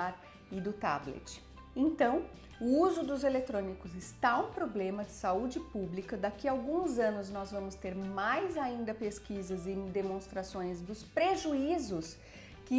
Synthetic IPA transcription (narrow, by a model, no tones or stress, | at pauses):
aɾ | ɪd̪ʊt̪a̰blḛt͡ʃɪ̥ | ẽnt̪ɐ̃w̃ | ʊuzʊd̪ʊzelet̪ɾõnikʊzɪst̪aũpɾoblẽmɐd͡ʒɪsaud͡ʒɪpublikɐd̪akiawɡũzɐ̃nʊznɔzvɐ̃mʊst̪eɾmajzaĩnd̪ɐpeskizɐzɪd̪emõst̪ɾasõj̃zd̪ʊspɾeʒuizʊs | kɪ